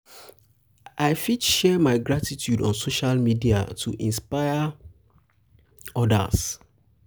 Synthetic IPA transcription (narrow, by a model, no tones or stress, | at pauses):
aɪfidʃɛmaɪɡɹatitʰjudɔ̰̃nsoʃalmidia̰tʰuʔĩnspaɪa | ɔda̰s